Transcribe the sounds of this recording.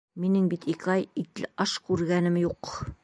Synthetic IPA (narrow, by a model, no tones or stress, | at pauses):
minɘŋbit̪ikɑjit̪lɘʔɑʃkʉɾɡænɘmjuq